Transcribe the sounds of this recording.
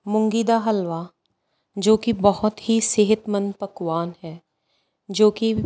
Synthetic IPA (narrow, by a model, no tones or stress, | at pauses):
mʊ̃ŋɡiːd̪aɦɐlʋa | d͡ʒoːkibɐhʊt̪ɦiseɦɪt̪mə̃npɐkwaːnɦɛː | d͡ʒoːki